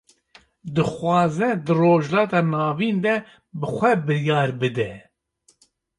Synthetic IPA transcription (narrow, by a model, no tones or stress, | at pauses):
d̪ɨxwʷɑːzɛd̪ɨroːʒlɑːt̪ɑːnɑːviːnd̪ɛ | bɨxʷɛbɨɾjɑːɾbɨd̪ɛ